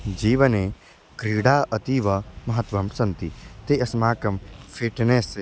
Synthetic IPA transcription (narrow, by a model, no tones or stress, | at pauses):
d͡ʒiːʋɐneː | kɾiːɽaːɐt̪iːʋɐmɐɦɐt̪ʋɐmsɐnt̪it̪eɐsmaːkɐmfʰiʈneːse